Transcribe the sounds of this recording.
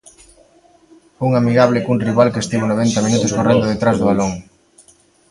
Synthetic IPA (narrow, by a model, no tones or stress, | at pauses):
uŋamiɣaβlekunriβalkest̪iβonoβ̞ɛnt̪amĩnut̪ʊskorend̪oðet̪ɾazðoβaloŋ